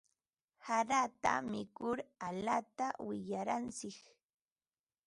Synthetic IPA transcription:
haɾat̪a̰mɪkʊɾaʎat̪awɪʎaɾant͡sɪk

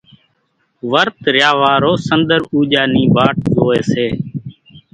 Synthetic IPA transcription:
ʋəɾt̪ɾjaːʋaːɾoːsənd̪əɾuːʄaːniːbaːʈ̚zoːeːseː

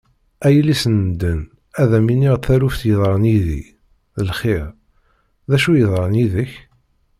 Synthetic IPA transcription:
æjəlːisənd̪ən | æðæminiʁθæɾufθjəðˤɾˤəniðḭ | ðəlχɪɾ | ðæʃujəðˤɾˤəniðəç

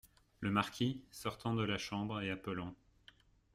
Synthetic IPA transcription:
ləmaʁkʲisɔʁt̪ɑ̃d̪əlaʃɑ̃bʁeapəlɑ̃

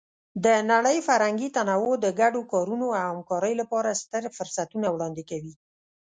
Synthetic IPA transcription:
d̪ənaɽəjfaɾhaŋɡit̪anawod̪əɡaɖokɑɾunoawhamkɑɾəjolapɑɾast̪əɾfʊɾsat̪unawɽɑnd̪ɪkawi

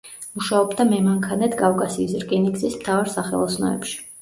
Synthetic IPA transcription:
muʃaɔbd̪amɛmaŋkʰanɛt̪ʰkʼafkʼasiːsɾkʼinikzismt̪ʰavaɾsaχɛ̰lˠɔsnɔ̰ɛ̰pʃi̥

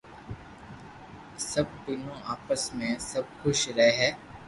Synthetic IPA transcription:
sɐb̚d̪inõaːpəsmẽsɐb̚xʊʃɾɐɦeɦɛː

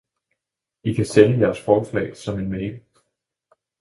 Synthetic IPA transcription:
ikʰæsenəjæɐsfɒːslɛ̰ːɪsɒ̽me̝nmeɡ

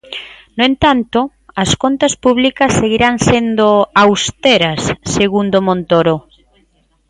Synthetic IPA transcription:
noẽnt̪ant̪o | askont̪aspuβlikɐsːeɣiɾaŋsend̪oawst̪eɾasːeɣ̞und̪omõnt̪oɾo

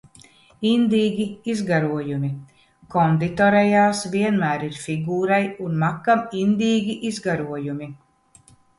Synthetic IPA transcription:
ind̪iːɡʲiizɡaɾuɔjumʲi | kɔnd̪it̪ɔɾɛjaːsviɛnmæːɾiɾfiɡuːɾajunmakːamind̪iːɡʲiʔizɡaɾuɔjumi

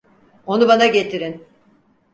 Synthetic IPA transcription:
o̞nubanaɟet̪ʰiɾin

